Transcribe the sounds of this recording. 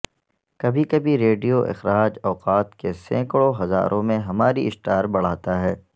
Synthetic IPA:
kɐbʱikɐbʱiɾeːɖijoʔɪ̰xɾaːd͡ʒɔːqaːt̪kesɛ̰̃ːkɭoɦɐza̰ːɾʔõmẽɦɐmaːɾiɪsʈaːɾbɐɽ̤aːt̪aɦɛː

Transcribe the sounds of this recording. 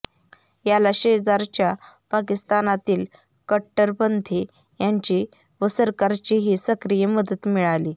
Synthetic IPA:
jalaɕeəd͡zaɾt͡ɕjapak̬ist̪anat̪iːl | kəʈːəɾpənt̪ʰi | jaɲt͡ɕi | ʋəsəɾkaɾt͡ɕiɦiːsəkɾijəməd̪ət̪miɭaliː

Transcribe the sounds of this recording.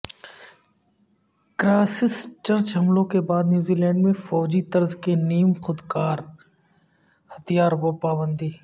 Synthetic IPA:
kɾaːsɪst͡ʃɐɾt͡ʃɦɐmlõkebaːd̪njuːzilɛ̃ːɳɖmẽfɔːd͡ʒit̪ɐɾzkeniːmxʊd̪kaːɾ | hɐt̪ijaːɾbopaːbə̃nd̪iː

